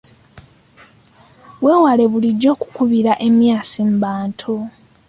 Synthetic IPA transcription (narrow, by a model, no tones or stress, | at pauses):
βwe̞ːwale̞βuliɟːo̞ːku̥kuβiɾaʔe̞mjaːsimbaːntʰo